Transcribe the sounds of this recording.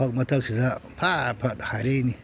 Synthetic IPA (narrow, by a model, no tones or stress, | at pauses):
akmatakʃizapʰapadhaɾeni